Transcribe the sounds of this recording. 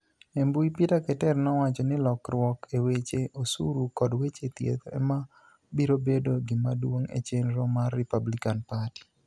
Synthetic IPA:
embuipitakɛtɛrnɔwat͡ʃɔnɪlɔkrwɔkʰewet͡ʃeʔosuɾukɔdwet͡ʃet̪jḛt̪ɛ̰ma | biɾobedoɡɪmadwoŋḛt͡ʃenɾɔmarːipablikanpati̥

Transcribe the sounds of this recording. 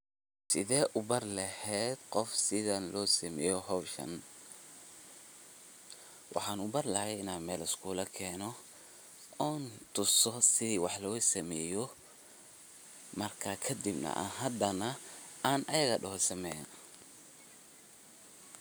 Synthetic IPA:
sɪðɛːʔʊbɐrlɐhɛːd̪qɔfsɪðɐnlɔːsɐmɛ̰ːjɔɦɔwʃɐ̰n | wʔɑ̰ħɑːnʊbɐrlɐhɛjɪnaːnmɛːlɪskʰuːlɐkʰɛːnɔ | ɔːnt̪ʰʊsɔsɪðiːwɑħlɔːsɐmɛːjɔ | mɐrkʰakʰɐd̪ibnɐ̰ʔa̰ɦɐd̪ɐnɐaːnʔɐjɐɣɐɖɐɦsɐmɛn

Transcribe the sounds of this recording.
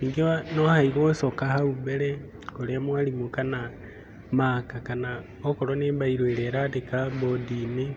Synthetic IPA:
iːŋɡanohaiɣosokahauβele | kolemwalimukana | maːkakana | okoɾoneːmbaiɾoeɾeɾatekabodini

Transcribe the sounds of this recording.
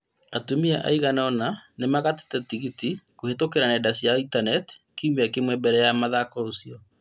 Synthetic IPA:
atumiaʔa̰iɣanɔnanemaɣate̥tɛtiɣitikohetokeɾanɛdasiaintanɛti̥ | kiumbeakemwɛbɛɾɛjamaðakɔosiɔ

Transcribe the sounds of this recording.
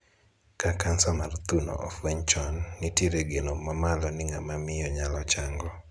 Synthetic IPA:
kakansamart̪unɔ̰ʔɔ̰fweɲt͡ʃɔnːɪtjiɾeɡenomamalɔnɪŋamamɪjɔɲalɔt͡ʃaŋɡɔ

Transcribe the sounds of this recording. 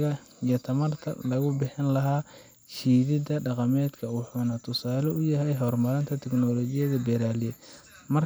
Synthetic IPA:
ɣɐ | ijɔt̪ʰɐmɐrt̪ʰɐ̰lɐɣʊbɪħɪnlɐɦaː | t͡ʃiːðɪd̪ɐɖɑqɑmɛːd̪kʰɐwʊħuːnɐt̪ʰʊsaːlɔʊjɐɦɛjɦɔrmɐɾɪnt̪ʰɐt̪ʰɛknɔːlɔːt͡ʃɪjɐðɐbɛɾaːlɪjɛ | mɐr

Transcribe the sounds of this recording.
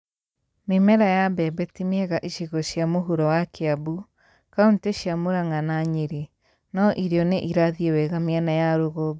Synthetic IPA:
memɛɾajabɛbɛtimeɛɣaʔiʃeɣɔʃjamoɦuɾɔwakʰeabu | kaunteʃjamoɾaŋanaɲeɾe | naʔiɾeɔneʔiɾaðiɛwɛɣameanajaɾoɣo

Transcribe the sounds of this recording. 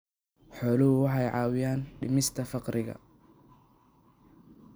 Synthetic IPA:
ħɔːlɐɦʊwɑħɑjʕɑːwɪjaːnɖɪmɪst̪ʰɐfɑqɾɪɣɐ̰

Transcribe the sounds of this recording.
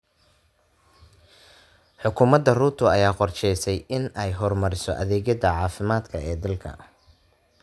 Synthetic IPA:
ħʊkʰʊmɐd̪ːɐruːt̪ʰʊɐjaːqɔrt͡ʃɛjsɛjʔɪnɛjɦɔrmɐɾɪsɔ̰ʔɐðɛːɣɐðɐʕɑːfɪmaːd̪kʰɐɛːd̪ɐlkʰɐ̰

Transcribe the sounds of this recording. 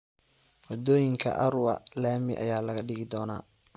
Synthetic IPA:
wɐd̪ɔːjɪŋkʰɐ̰ʔɐɾʊɐ̰laːmɪʔɐ̰jaːlɐɣɐɖɪɣɪd̪ɔːnaː

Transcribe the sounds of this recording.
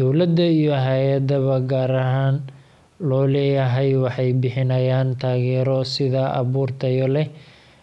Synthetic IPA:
d̪̥ɔwlɐd̪ːɐijɔɦaːjɐd̪ɐβɐɡaːɾɐɦaːn | lɔːlɛːjɐɦɛjwɑħɑjbɪħɪnɐjaːnt̪ʰaːɣɛːɾɔsɪðɐʔɑ̰βuːrt̪ʰɐjɔlɛ

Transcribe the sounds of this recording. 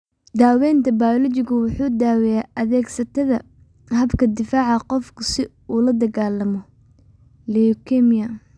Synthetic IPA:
d̪aːwɛːnt̪ʰɐbaːjlɔt͡ʃɪɣʊwʊħuːd̪aːwɛjaːʔɐðɛːɡsɐt̪ʰɐðɐ | hɐbkʰɐd̪ɪfaːʕɑqɔfkʰʊsɪ | uːlɐd̪ɐɣaːlɐmɔ | lɛkʰɛmɪjɐ

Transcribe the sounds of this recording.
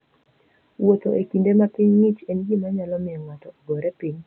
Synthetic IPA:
wot̪oʔekindemapiɲŋit͡ʃenɡimaɲalɔmɪɔŋatɔboɾepiɲ

